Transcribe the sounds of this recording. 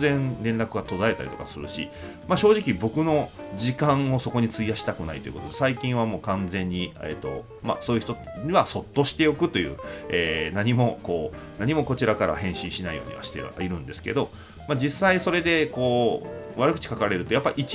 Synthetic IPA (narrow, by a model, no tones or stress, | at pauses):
ẽ̞nɾẽ̞nɾakɯ̟ɡat̪o̞d̪ae̞t̪a̰ɾḭt̪o̞kasɨɾɯ̟ɕḭ | maɕo̞ːʑikʲibo̞kɯ̟no̞d͡ʑikãɰ̃o̞so̞ko̞ɲ̟it͡sɨijaɕi̥t̪akɯ̟nait̪o̞jiɯ̰kot̪od̪esaikʲĩɰ̃amo̞ːkãnd͡zẽ̞ɲ̟ːiet̪ːo̞̰ | ma̰soːjɯ̟çi̥t̪oɲiβaso̞t̪ːo̞ɕi̥t̪e̞jo̞kɯ̟t̪o̞jɯ̟ːeːnaɲ̟imo̞ko̞ː | naɲ̟imo̞ko̞t͡ɕiɾakaɾa̰hẽ̞ɰ̃ɕĩɰ̃ɕinaḭjo̞̰ːɲ̟ḭβa̰ɕi̥t̪ḛa̰iɾɯ̟̃nd̪e̞sɨ̥ke̞̰d̪o̞ | mad͡ʑisːaiso̞ɾe̞d̪e̞ko̞ːβaɾɯkɯ̟t͡ɕi̥kakaɾɾe̞ɾɯ̟t̪o̞japːaiːkʲ